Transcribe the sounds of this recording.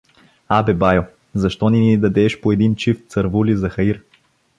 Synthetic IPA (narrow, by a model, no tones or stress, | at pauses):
abɛbajo | zɐʃt̪ɔnind̪ɐd̪ɛʃpoɛd̪int͡ʃift̪sɐɾvulizɐxɐiɾ